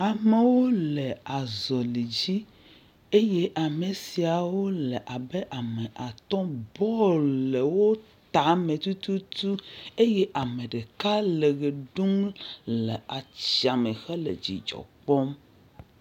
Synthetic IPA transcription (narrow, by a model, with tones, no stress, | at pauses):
a˨me˨wo˦le˨a˨zɔ˨li˨d͡ʑi˦ | e˦je˦ʔa˨me˨si˨a˨wo˦lɛ˨ʔa˨bɛ˦ʔa˨mɛ˨ʔa˨t̪ɔ̃˦bɔ˦le˨wo˦ | t̪a˨mẽ˨t̪u˦t̪u˦t̪u˦e˦je˦ʔa˨me˨ɖe˨ka˦le˨ɡe˨ɖu˦mlɛ˨a˨t͡ɕi˦a˨me˨xɛ˦lḛ˨d͡ʑḭ˨d͡ʒɔ̰˨k͡pɔ˦m